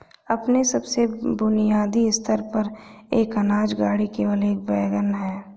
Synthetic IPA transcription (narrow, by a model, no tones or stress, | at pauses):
ɐpnesɐbsebʊnijaːd̪iɪst̪ʰəɾpəɾ | eːkɐnaːd͡ʒɡaːɽikeʋəleːk̚bɛːɡənɦɛː